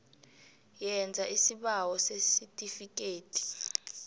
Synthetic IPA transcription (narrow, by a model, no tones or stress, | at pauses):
jɛnd͡zʱaʔisiɓawɔsesitʼifikʼeːtʰʼi̥